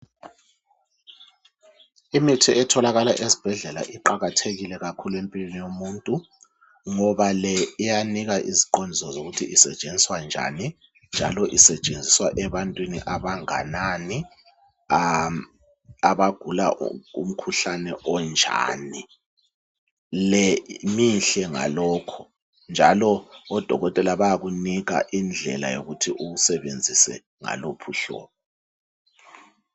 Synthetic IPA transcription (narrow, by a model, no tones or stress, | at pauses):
imitʰiʔɛtʰɔlaɣala̰ʔezib̥ʱɛɮɛla̰ʔiǃaɣatʰeɣilɛɣakʰuluempʼilwenijomuːntʼu | ŋɔβalɛːjaniɣaʔiziǃondʱisɔzoɣutʰḭʔisɛt͡ʃʼend͡zʱiswand͡ʒʱa̰ni | nd͡ʒʱa̰lɔʔisɛt͡ʃʼend͡zʱiswaʔɛβantʼwinḭʔaβaŋa̰nani | aβaɡ̥ʱulaṵm̩kʰuɬanɛʔɔnd͡ʒʱa̰ːni | lɛmiɬɛŋa̰lɔːkʰɔ̥ | nd͡ʒʱalɔɔd̥ʱɔ̰ɣɔtʼɛlaβajaɣuniɣa̰ʔind͡ɮʱɛ̰la̰jo̰ɣutʰiʔuɣusɛβend͡zʱisɛ̰ | ŋa̰lopʰuɬɔ̰ːβɔ